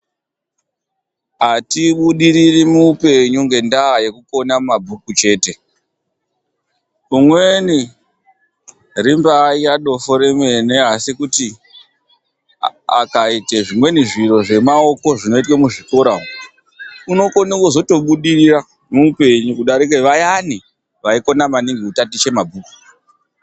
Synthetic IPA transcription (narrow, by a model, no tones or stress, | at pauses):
atiɓuɗiɾirimupe̞ɲuŋɡe̞ndaɦaje̞kuko̞namumabʱukut͡ʃe̞ːte̞ | umwe̞ni | rimbaiaɗo̞foɾe̞mwe̞ne̞ɦasikuti | a̰kaiteʐimwe̞niʐiro̞ʐe̞mao̞ko̞ʐino̞itwemuʐiko̞ɾao | uno̞ko̞nikozo̞to̞ɓuɗirira | muupe̞ɲukuɗaɾik̬eʋajani | ʋaiko̞namaniŋɡiutatit͡ʃe̞mabʱuːku̥